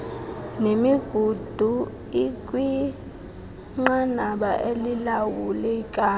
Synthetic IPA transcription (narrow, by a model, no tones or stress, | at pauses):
nemiɡ̥ʱud̥ʱu | ik̬ʼwi | ŋ͡ǃanaɓaʔelilawulɛkʼa